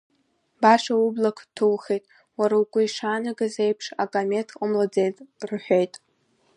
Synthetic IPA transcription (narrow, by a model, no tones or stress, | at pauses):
baʂaublakʷʰtʰulχejtʼ | waɾawkʷʼʊiʂaːnaɡazejpʰʂa̰kʼame̞tʰʼamlad͡zejtʼrħʷᶣejtʼ